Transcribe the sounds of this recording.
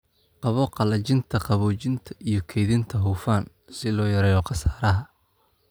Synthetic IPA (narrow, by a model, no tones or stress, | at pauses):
qɑβɔqɑlɐt͡ʃɪnt̪ʰɐqɑβɔːt͡ʃɪnt̪ʰɐʔijɞkʰɛːðɪnt̪ʰɐɦuːfaːn | sɪlɔːjɐɾɛːjɔqɑsaːɾɐɦɐ